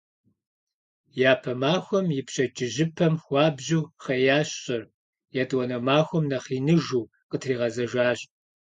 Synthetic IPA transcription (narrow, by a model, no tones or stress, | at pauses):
jaːpʰɐmaːxʷɔmjɪpʰɕʼɐt͡ʃʼɪʒɪpʰɐmxʷɑːbʑuːχɐjaːɕɕʼɐr | jaːtʼwɔnɐmaːxʷɔmnɐχiːnɨʒuː | qətʰriːʁɐzɐʒaːɕʼ